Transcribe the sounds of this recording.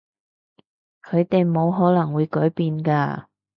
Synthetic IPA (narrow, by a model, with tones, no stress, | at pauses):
kʰɵ˨˧ɥt̪e˨jmo˨˧wɦɔː˨˥lɐ˨˩ŋwuː˨˧jkɔː˨˥jpiː˨nkaː˧